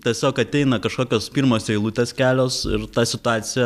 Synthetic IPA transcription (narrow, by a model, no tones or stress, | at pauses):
t̪ʲiɛsʲoːkɐt̪ʲɛɪnɐkɐʃkoːkʲoːspʲiːɾmoːsɛɪlˠuːt̪ʲeːskʲæːlʲoːsɪ̰ɾt̪ɑːsʲɪt̪ʊɑːt̪sʲɪjɛ